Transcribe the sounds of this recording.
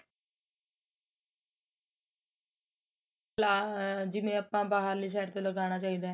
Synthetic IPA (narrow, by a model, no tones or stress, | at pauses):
laːd͡ʒɪmẽːəpːãːbaːɦəɾliːs̬ɛːʈt̪eləɡaːɽ̃aːt͡ʃaːiːd̪aː